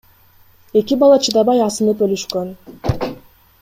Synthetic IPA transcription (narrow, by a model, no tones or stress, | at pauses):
e̞kibɑlˠɑt͡ʃʰɯd̪ɑbɑjɑsɯnɯpølyʃkøn